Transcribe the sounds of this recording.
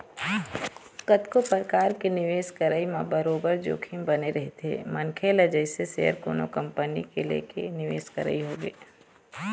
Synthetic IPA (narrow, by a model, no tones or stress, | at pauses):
kət̪kopɾkaːɾkenɪʋeːʃkəɾəːimã̰bɐɾoːbəɾd͡ʒo̰ːkʰimbɐneɾɐɦet̪ʰḛːmɐnkʰeled͡ʒəɪseseːə̰ɾko̰ːno̰kɐ̃mpənikelḛːkenɪʋḛːskə̰ɾə̰iɦoːɡḛː